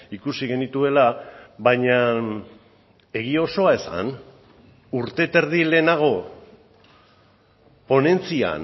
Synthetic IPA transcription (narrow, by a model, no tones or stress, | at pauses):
ikusiɣe̞nit̪ue̞laβajɲa | e̞ɣio̞so̞ae̞sa̰n | uɾt̪e̞t̪e̞ɾðile̞ːnaɣ̞o̞ | po̞ne̞nt͡sia̰n